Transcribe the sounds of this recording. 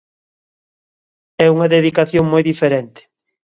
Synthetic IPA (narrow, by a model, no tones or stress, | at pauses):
ɛuŋɐðeðikaθjoŋmojðifeɾent̪ɪ̥